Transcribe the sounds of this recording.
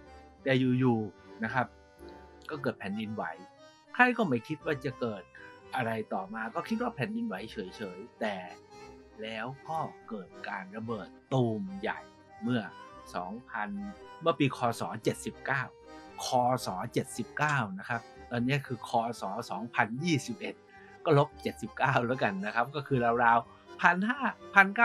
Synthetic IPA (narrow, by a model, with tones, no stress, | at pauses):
t̪ɛː˨˩juː˨˩juː˨˩na˦˥kʰa˦˥p̚ | kɔː˥˩k̬ɤː˨˩t̪̚pʰɛː˨˩˦ndi˧nwa˩˦j | kʰa˥˩jkɔː˥˩ma˥˩jkʰi˦˥t̪̚waː˥˩t͡ɕa˨˩kɤː˨˩t̪̚ʔa˧ɾa˧jt̪ɔː˨˩maː˧kɔː˥˩kʰi˦˥t̪̚waː˥˩pʰɛː˨˩˦ndi˧nwa˩˦jt͡ɕʰɤː˩˦jt͡ɕʰɤː˩˦jt̪ɛː˨˩ | lɛː˦˥wkɔː˥˩kɤː˨˩t̪̚kaː˧nɾa˧bɤː˨˩t̪ːuː˧mja̰˨˩j | mɯ˥˩ɐsɔ̰ː˩˦ŋpʰa˧nmɯ˥˩ɐpiː˧kʰɔː˧sɔː˩˦t͡ɕe˨˩t̪̚si˨˩p̚kaː˥˩wkʰɔː˧sɔː˩˦t͡ɕe˨˩t̪̚si˨˩p̚kaː˥˩wna˦˥kʰa˦˥p̚t̪ɔː˧nːi˦˥ɐkʰɯː˧kʰɔː˧sɔː˩˦sɔː˩˦ŋpʰa˧njiː˥˩si˨˩p̚ʔe˨˩t̪̚ | kɔː˥˩lo˦˥p̚t͡ɕe˨˩t̪̚si˨˩p̚kaː˥˩wlɛ˦ka˧nːa˦˥kʰa˦˥p̚kɔː˥˩kʰɯː˧ɾa˧wɾaː˧w | pʰa˧nhaː˥˩pʰa˧nkaː˥˩